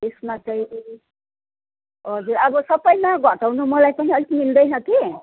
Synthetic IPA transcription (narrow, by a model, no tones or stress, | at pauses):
esmãt͡sʌ̃ĩ | ɦʌd͡zuɾʌbʌsʌbʌjmaɡʱʌʈawnumʌlajpʌɦĩʌlikmild̪ʌjnʌki